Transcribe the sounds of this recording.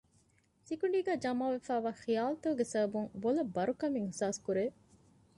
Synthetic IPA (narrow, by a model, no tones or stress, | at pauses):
sikuɳɖiːɡæːd͡ʒɐmaːʋefæːʋaːxijaːlɐt̪ɐuɡesɐbɐbuŋbolɐbɐɾukɐmiŋhusaːskuɾeː